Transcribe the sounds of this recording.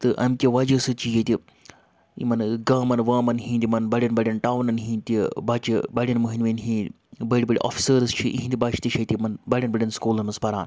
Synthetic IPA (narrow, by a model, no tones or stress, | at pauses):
t̪ɨʔɐmkʲiʋɐd͡ʒəsɨt͡ʃijet̪ʲi | ḭmɐnɡaːmɐnʋaːmɐnɦĩːnd̪ʲimɐnbɐɽʲinbɐɽʲɐnʈaːwnɐnɦĩːt̪ʲibat͡ʃibɐɽʲinmuɦinʋenɦĩ | bɐɽʲibɐɽʲʔɔ̰fʰi̥səɾɨst͡ʃʰiʔḭɦĩnd̪ʲibat͡ʃi̥t̪iʃʰɐt̪ʲimɐnbɐɽʲɐnbɐɽʲinskuːlɐnmɐspɐɾa̰ːn